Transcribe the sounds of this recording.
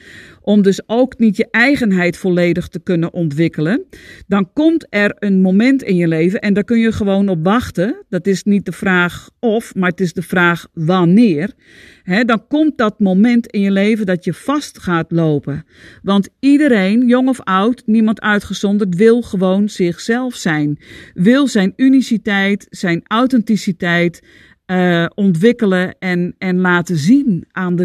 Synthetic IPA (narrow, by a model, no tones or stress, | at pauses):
ʔɔmdøsowknitjəʔɛjɣənɦɛjtfoleːdəxtəkønəʔɔntʋɪkələndɔnkɔmtɛrənmomɛntɪnjəleːvənʔɛndɔkønjəxəʋoːnɔpʋɑxtədɔtɪsnit̚dəfraːxɔfmartɪsdəfraːxʋanɪər | ɦɛdɔnkɔmt̚dɔt̚momɛntɪnjəleːvəndɔtjəfɑstxaːtloːpə | ʋɑntidəɾeːnjoŋɔfawtnimɑntœɥtχəsɔndərt̬ʋɪlˠxəʋownz̥ɪxsɛlˠfsɛjnʋɪlˠsɛjnynisitɛjtsɛjnawtɛntisitɛjt | ɔntʋɪkələɛnɛnlaːtəzinʔaːndə